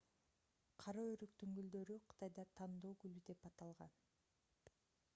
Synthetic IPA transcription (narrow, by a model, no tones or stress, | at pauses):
qʰɑɾoøɾykt̪yŋɡyld̪ø̞ɾyqʰɯ̥t̪ɑjd̪ɑt̪ʰɑnd̪oːɡylyd̪e̞pɑt̪ɑlˠʁɑn